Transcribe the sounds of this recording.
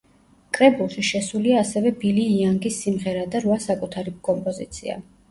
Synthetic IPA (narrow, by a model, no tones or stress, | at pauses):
kʼɾɛbulˠʃiʃɛsuliaːsɛvɛbiliːaŋɡisːimʁɛɾad̪aɾvasakʼut̪ʰaɾikʼɔmpʼɔzit̪sʰḭa̰